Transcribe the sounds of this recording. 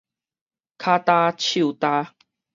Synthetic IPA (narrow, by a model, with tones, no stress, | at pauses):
kʰa˦t̪a˧t͡ɕʰu˥˨t̪a˧